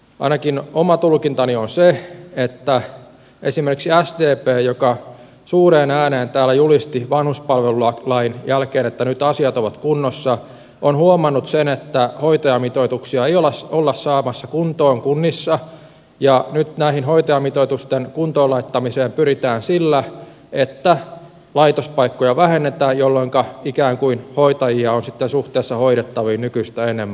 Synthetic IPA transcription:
ɑ̰inɑkinomɑt̪ulkint̪ɑnionseet̪ːæ | ʔesimerkiksiæsd̪eːpeːjokɑ | suːreːnæːneːnt̪æːlːæjulist̪iʋɑnhuspɑlʋeluɑlɑinjælkeːnet̪ːænyt̪ɑsiɑt̪oʋɑt̪kunːosːɑ | onhuomɑnːut̪senet̪ːæhoit̪ɑjɑmit̪oit̪uksiɑejolɑsolːɑssɑːmɑsːɑkunt̪oːŋkunːisːɑ | jɑnyt̪næihinhoit̪ɑjɑmit̪oit̪ust̪enkunt̪oːlɑit̪ːɑmiseːmpyrit̪æːnsilːæ | et̪ːæ | lɑit̪ospɑikːojɑʋæhenːet̪æːjjolːoŋkɑikæːŋkuinhoit̪ɑjiɑonsit̪ːensuht̪eːsːɑhoiɾet̪ːɑʋiːnnykyist̪æenːˑemːæ

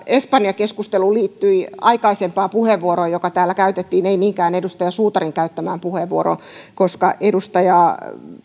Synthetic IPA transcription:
espɑnjɑkeskust̪eluliːt̪ːyiɑikɑisempɑːpuheʋʋuoɾojokɑt̪æːlːækæyt̪et̪ːiːneimiːŋkæːnedust̪ɑjɑsuːt̪ɑriŋkæyt̪ːæmæːmpuheʋːuoɾo̰ | koskɑ̰ʔedust̪ɑjɑ

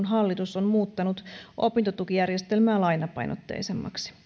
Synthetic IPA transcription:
nɦɑlːit̪usonmuːt̪ːɑnut̪ʔo̞pint̪o̞t̪ukijærjest̪e̞lmæːlɑjnɑpɑ̰jno̰t̪ːḛːsemːɑ̰ksi̥

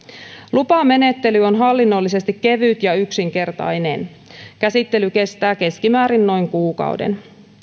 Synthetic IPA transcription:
lupɑme̞ne̞t̪ːe̞lyo̞nɦɑlːinːolːise̞st̪ikkːe̞ʋyt̪jɑyksiŋke̞rt̪ɑ̰jnen | kæsit̪ːe̞lyke̞st̪æːke̞skimæːɾinno̞jŋkuːkɑ̰ṵdḛn

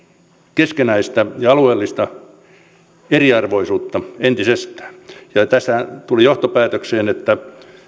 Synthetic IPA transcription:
keskenæist̪æjɑɑlueːlːist̪ɑ | eriɑrʋoisuːt̪ːɑent̪isest̪æ̥ːjɑt̪æst̪æt̪ulijoht̪opæːt̪økseːnet̪ːæ

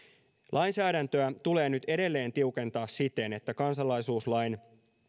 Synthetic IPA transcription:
lʔɑjnsæːdænt̪øæt̪ule̞ːnyt̪e̞de̞lːe̞ːnt̪iuke̞nt̪ɑːssit̪e̞ne̞t̪ːækɑnsɑlːɑjsuːslɑjn

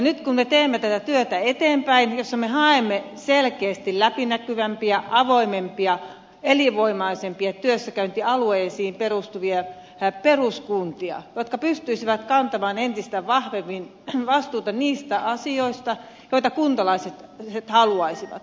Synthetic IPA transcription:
jnyt̪kummet̪eːmːet̪æt̪æt̪yøt̪æet̪eːmpæinjosːɑmehɑemːeselkeːst̪illæpinækyʋæmpiæʔɑʋoimempiɑ | eliʋoimɑisempiɑt̪yøsːækæynt̪iɑlueːsiːimperust̪uʋiɑ | peruskunt̪iɑ̰jot̪kɑpyst̪yisiʋæt̪kɑnt̪ɑmɑːnent̪ist̪æʋɑhʋemːin | ʋɑst̪uːt̪ɑniːst̪æɑsioist̪ɑ | joit̪ɑkunt̪ɑlɑiset̪set̪hɑluɑisiʋɑ̰t̪

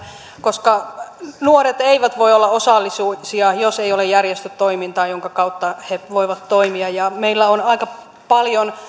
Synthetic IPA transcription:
koskɑnuoret̪eiʋæt̪ʋoiolːɑosɑlːisuisiɑjoseijolejjærjest̪yt̪toimint̪ɑːjoŋkɑkɑut̪ːɑheʋoiʋɑt̪toimiɑjjɑmeilːæonɑikɑ | pɑljon

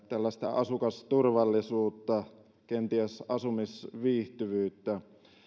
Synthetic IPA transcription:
t̪ælːæst̪ɑ̰ɑsukɑst̪urʋɑlːisuːt̪ːɑ | kent̪iæsʔɑsumisʋiːht̪yʋyːt̪ːæ

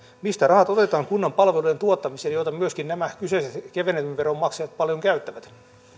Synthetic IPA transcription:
mist̪ærɑhɑt̪ot̪e̞t̪ɑːŋkunːɑmpɑlʋeluje̞nt̪uot̪ːɑmiseːnjot̪ɑmyøskinnæmækysesekeʋeneleʋʋeɾomːɑksejɑt̪pɑljoŋkæyt̪ːæʋæt̪

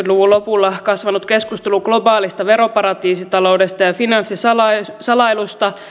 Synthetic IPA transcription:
t̪luʋullopulːɑkɑsʋɑnut̪ke̞skust̪eluɡ̥lo̞bɑːlist̪ɑʋeɾo̞pɑɾɑt̪iːsit̪ɑlo̞udest̪ɑjɑfinɑnsːisɑlɑsɑlɑilust̪ɑ

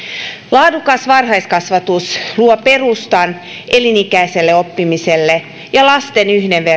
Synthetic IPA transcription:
lɑːdukɑsʋɑrɦɑjskɑsʋɑt̪usluope̞rust̪ɑn | ʔelinikæiselːeopːimiselːe | jɑlɑst̪enyhdeʋʋe

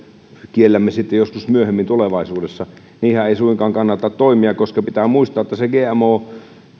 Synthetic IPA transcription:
kielːæmːesit̪ːejoskusmyøhemːint̪uleʋɑisuːdesːɑ | niːhæeˑisuiŋkɑːŋkɑnːɑt̪ːɑt̪t̪oimiɑkkoskɑpit̪æːmuist̪ɑːet̪ːɑseɡeːæmoː

